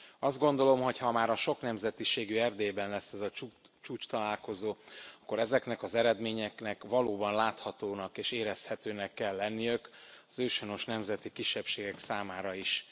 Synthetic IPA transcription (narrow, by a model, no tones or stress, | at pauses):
ɒzd̪̚ɡo̞nd̪o̞lo̞mɦo̞chɒmaːɾɒʃoknɛmzɛt̪iʃeːɡyɛrd̪eːbɛnlɛsːɛzɒ | t͡ʃuːt͡ʃt̪ɒlaːlko̞zoːɒkːo̞ɾɛzɛknɛkɒzɛɾɛd̪meːɲɛknɛkʋɒloːbɒnlaːt̪hɒt̪oːnɒkeːʃeːɾɛshɛt̪øːnɛkːɛlːɛnːijøkɒzøːʃono̞ʃnɛmzɛt̪ikiʃːɛpʃeːɡɛksaːmaːɾɒiʃ